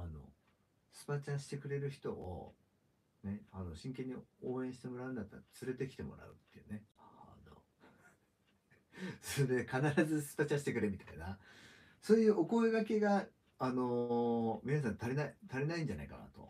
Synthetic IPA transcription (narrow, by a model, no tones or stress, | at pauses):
ano̰ | sɨ̥pat͡ɕãɰ̃ɕi̥t̪e̞kɯ̟ɾe̞ɾɯ̟çi̥t̪o̞o̰ | ne̞ano̞ɕĩŋkẽ̞ɲ̟ːioːẽ̞ɕi̥t̪e̞mo̞ɾaɯ̟nd̪at̪ːaɾt͡sɨɾe̞t̪e̞kʲi̥t̪e̞mo̞̰ɾa̰ɯ̟t̪ːe̞jɯ̟ne̞ano̰ | soed̪ekanaɾazɨsɨ̥pat͡ɕãɕi̥t̪e̞kɯ̟ɾemʲit̪aina | so̞ːjɯ̟ːʔo̞ko̞eɡake̞ɡaː | no̞mʲinas̬ãnt̪aɾʲenait̪aɾʲenaĩɲ̟d͡ʑana̰ika̰na̰t̪o̞̰